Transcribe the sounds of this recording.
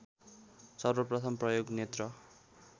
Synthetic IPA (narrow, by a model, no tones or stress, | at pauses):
sʌrʌprʌt̪ʰʌmprʌjoɡnjet̪rʌ